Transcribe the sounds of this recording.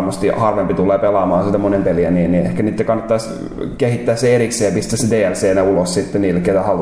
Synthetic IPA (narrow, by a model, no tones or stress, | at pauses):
mːost̪ihɑrʋempit̪ulːˑeːpelɑːmɑːnsit̪æmonempeliæniːnniehkæniːt̪ːækɑnːɑt̪ːɑis | kehit̪ːæːsːeerikseːjɑpist̪æsed̪eːælseːnæulossit̪ːenniːlːekːˑet̪æhɑl